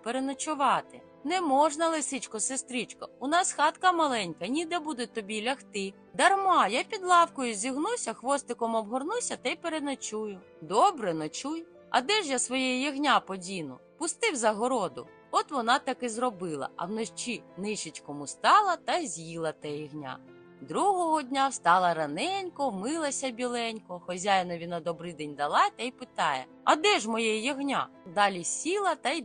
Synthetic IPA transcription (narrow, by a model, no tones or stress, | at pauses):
peɾenɐt͡ʃʊʋɑt̪ɪ | nɛmɔʒnɐlˠɪsɪt͡ʃkɔsest̪ɾʲit͡ʃkɐʊnɑsxɑt̪kɐmɐlˠɛnʲkɐnʲid̪ɛbud̪ɛt̪ɔbʲilʲɐxt̪ɪ | d̪ɐrmɑjapʲid̪lˠɑwkɔjʊzʲiɦnusʲɐxʋɔst̪ɪkɔmɔbɦɔrnusʲɐt̪ɛjpeɾenɔt͡ʃujʊ | d̪ɔbɾɛnɔt͡ʃuj | ɐ̰d̪ɛʒjasʋɔjɛjjiɦnʲapɔdʲinʊ̰ | pʊst̪ɪwzɐɦɔɾɔd̪ʊ̰ | ɔt̪ʋɔnɑt̪ɑkɪzrɔbɪlˠɐ̰ɐ̰wnɔʃt͡ʃinɪʃɪt͡ʃʲkɔmʊst̪ɑlˠɐt̪ɐjzʲjilˠɐt̪ɛjiɦnʲa̰ | d̪ɾuɦɔɦɔdʲnʲawst̪ɑlˠɐɾɐnɛnʲkɔwmɪlˠɐsʲɐbʲilˠɛnʲkɔxɔzʲajnɔʋʲinad̪ɔbɾɪd̪ɛnʲd̪ɐlˠɑt̪ɛjpɪt̪ɑjɛ̰ | ɐd̪ɛʒmɔjɛjjɔɦnʲa̰d̪ɑlʲisʲilˠɐt̪ɐj